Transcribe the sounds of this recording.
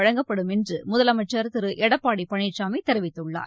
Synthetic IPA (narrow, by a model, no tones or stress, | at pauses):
ɐɻɐŋɡɐpːɐɽɯmɛndrɯmʊðɐlɐmɐʈt͡ʃːɐɾt̪ɪɾɯʔɛɽɐpːaːɽipɐɳɪʈt͡ʃaːmɐɪt̪ːɛɾɪʋɪt̪ːɯɭːa̰ː